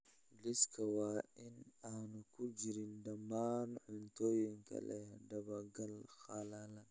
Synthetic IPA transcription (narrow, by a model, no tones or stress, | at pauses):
liskʰɐwaːɪnaːnukʰud͡ʒiɾindɐmːaːnʕʊnt̪oːjiŋkʰɐ̰lɛ̰jhadɐβaɡɐlxalalan